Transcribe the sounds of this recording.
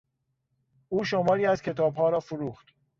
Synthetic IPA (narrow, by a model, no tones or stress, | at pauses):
ʔuːʃomɒːɾiːæzcʰe̞t̪ʰɒːbhɒːɾɒːfuɾuːxt̪